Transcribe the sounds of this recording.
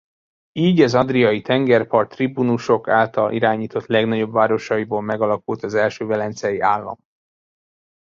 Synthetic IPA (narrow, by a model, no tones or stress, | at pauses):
iːɟɛzɒd̪rijɒjit̪ɛŋɡɛrpɒrt̪ribunuʃo̞ka̰ːlt̪ɒlʔḭɾaːɲiːt̪o̞t̪lɛɡnɒɟo̞bvaːɾo̞ʃɒjiboːlmɛɡɒlɒkult̪ɒzɛlʃøːvɛlɛnt̪sɛjiaːlːɒ̰m